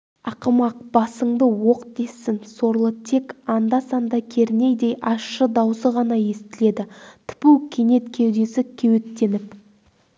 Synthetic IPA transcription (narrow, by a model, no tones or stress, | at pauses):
ɑqəmɑq̚b̥ɑsəɴd̪əwo̞qd̪e̞sːɪŋso̞ɾlˠət̪ʰe̞kɑnd̪ɑsɑnd̪ɑkʲʰe̞ɾne̞jd̪e̞jʔɑʃːəd̪ɑwsəʁɑnɑje̞st̪ɪle̞d̪ɪt̪ʰɪ̥puwkʲʰe̞ne̞t̪kʲʰewd̪e̞sɪkʲʰewet̪ːe̞nɪp